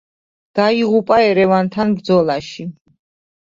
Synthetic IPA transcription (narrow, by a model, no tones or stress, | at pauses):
d̪̥aiʁupʼaɛɾɛvant̪ʰanbɾd̪zɔlˠaʃi